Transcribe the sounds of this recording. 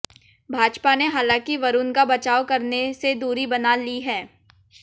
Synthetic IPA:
bʱaːd͡ʒpaneɦaːlãːkiʋɐɾuːnkabɐt͡ʃaːokɐɾnesed̪uːɾibɐnaːliɦɛː

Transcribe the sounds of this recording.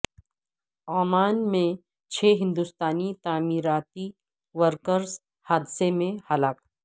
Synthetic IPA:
aːmaːnmẽ | t͡ʃʰeːɦɪ̃nd̪ust̪aːnit̪aːmiːɾaːt̪i | ʋəɾkəɾz | haːd̪semẽhɐlaːk

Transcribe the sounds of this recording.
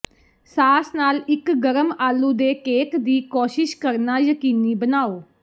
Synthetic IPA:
saːsnaːlɪkɡəɾəmaːlːuːd̪eːkeːkd̪iːkoːʃɪʃkəɾnaːjəkiːniːbənaːoː

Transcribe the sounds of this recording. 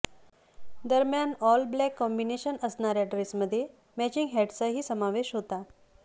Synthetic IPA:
d̪əɾmjanɔlblɛkːɔmbineɕənəsɳaɾjaʈɾesməd̪ʱːje | mɛt͡ɕiŋɡɦɛʈt͡saɦiːsəmaʋeɕɦot̪a

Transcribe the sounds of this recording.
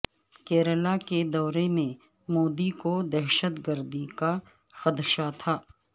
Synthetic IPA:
kɛːɾəlaked̪ɔːɾemẽ | moːd̪ikod̪ɛːʃət̪ɡəɾd̪ika | xɐd̪ʃat̪ʰaː

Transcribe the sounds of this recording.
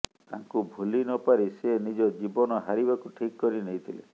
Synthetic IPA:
t̪ã̰ŋkubʱulinɔpaɾisenid͡ʒɔd͡ʒibɔnɔɦaɾibakuʈʰikkːɔɾinejt̪ʰilḛ

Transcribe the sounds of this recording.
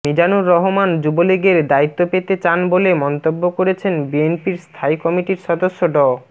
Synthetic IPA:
mid͡ʑanuɾːɔɦomand͡ʑuboliɡeɾd̪ait̪ːopet̪et͡ɕanbolemɔnt̪obːokoɾet͡ɕʰenbienpiɾst̪ʰaikɔmiʈiɾʃɔd̪oʃːoɖɔ

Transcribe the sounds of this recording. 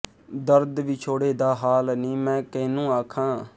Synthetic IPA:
d̪əɾd̪ʋiːt͡ʃʰoːɽeːd̪aːɦaːlnĩːmɛ̃ːkeːnũːaːkʰãː

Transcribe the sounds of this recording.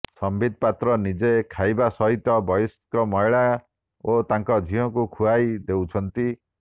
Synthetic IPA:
sɔmbid̪̚ʱpat̪ɾɔnid͡ʒekʰajbasɔɦit̪ɔbɔjskɔmɔjɭa | ot̪aŋkɔd͡ʒʱiɔkukʰuajd̪ewt͡ʃʰɔnt̪i

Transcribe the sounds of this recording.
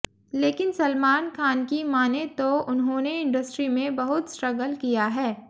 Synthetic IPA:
leːkɪnsɐlmaːnkʰaːnkimaːnet̪oʊnɦõːneɪ̃ɳɖəsʈɾimẽbɐɦʊt̪sʈɾɐɡəlkijaɦɛː

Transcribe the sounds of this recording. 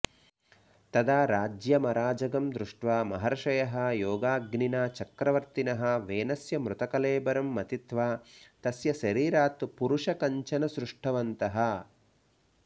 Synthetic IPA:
t̪ɐd̪aːɾaːd͡ʒjɐmɐɾaːd͡ʒɐɡɐmd̪ɾuʂʈʋaːmɐɦɐɾɐʃɐjɐɦɐ̆joːɡaːɡninaːt͡ʃɐkɾɐʋɐɾt̪inɐɦɐ̆ʋeːnɐsjɐmɾut̪ɐkɐleːbɐɾɐmːɐt̪it̪ʋaːt̪ɐsjɐʃɐɾiːɾaːt̪puɾuʂɐkɐɲt͡ʃɐnɐsɾuʂʈʰɐʋɐnt̪ɐɦɐ̆

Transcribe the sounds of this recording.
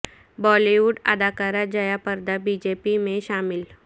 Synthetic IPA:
bɔːliʋuɖə̰d̪aːkaɾad͡ʒəjapəɾd̪abid͡ʒepimẽʃaːmɪl

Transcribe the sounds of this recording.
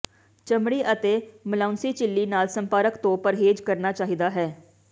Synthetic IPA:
t͡ʃəmɽiːʔət̪eːməlaːʊnsiːt͡ʃɪlːiːnaːlsəmpaːɾəkt̪õːpəɾɦeːd͡ʒkəɾnaːt͡ʃaːɦid̪aːɦɛː

